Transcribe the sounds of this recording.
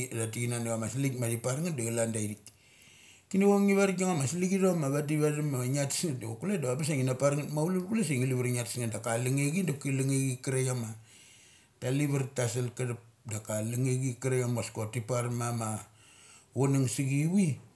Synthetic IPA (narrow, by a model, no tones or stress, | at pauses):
datiɡinanaβamaslikmadipaɾŋatdaɡalandaiɾik | kiniβoŋiβaɾɡoŋamasliɡiɾomaβadiβaɾimaŋati̥sŋatdaokuledaabas̬eŋinapaɾŋatmaululkules̬eŋiliβiɾŋati̥sŋandakaliŋeɡindakiliŋeɡikiɾajama | taliβaɾtasalkaɾap̚ | dakaliŋeɡikiɾajamaskotipaɾmama | wonaŋsiɡiwi